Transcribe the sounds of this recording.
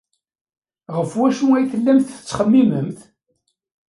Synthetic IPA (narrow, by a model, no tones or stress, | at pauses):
ʁəfwæʃæjθəlːæmθə̥t͡sːχəmːiməmθ